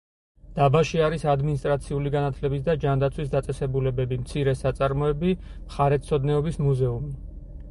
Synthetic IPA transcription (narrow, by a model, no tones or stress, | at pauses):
d̪̥abaʃiaɾisad̪minist̪ʼɾat̪sʰiuliɡanat̪ʰlɛbis̬d̪ad͡ʒand̪at̪sʰwis̬d̪at̪sʼɛsɛbulɛbɛbimt̪sʰiɾɛsat̪sʼaɾmɔɛbimχaɾɛt̪sʰɔd̪nɛɔbismuzɛumi